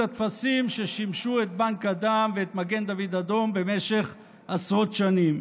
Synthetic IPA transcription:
at̪fasimʃeʃimʃuet̪̚baŋkad̪amveːt̪maɡend̪avid̪ad̪o̞mbe̞meʃeχ | asʁo̞t̪ʃanim

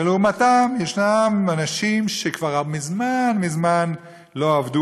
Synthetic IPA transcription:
elumatamjeʃnamanaʃimʃekvaʁabmizmanmizman | loavdu

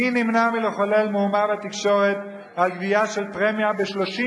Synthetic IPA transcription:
inimnamileχolelmeumabet̪ikʃo̞ʁet̪ | alɡviaʃelpʁemjabeʃloʃi

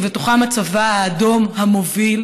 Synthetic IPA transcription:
vetoχamat͡savaaːd̪o̞mhamo̞vil

